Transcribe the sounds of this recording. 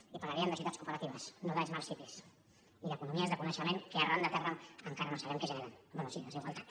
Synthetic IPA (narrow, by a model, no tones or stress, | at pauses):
ipaɾlaɾiənd̪əsiut̪at͡skupəɾət̪iβəsnoðaʎzmalˠsipis | iləkunumiəezðəkunəʃəmeŋkearʔand̪ət̪ɛrəməŋkaɾənosaβɛmkəʒəneɾɛmbɛnusiləziɣwalˠt̪ḁt̪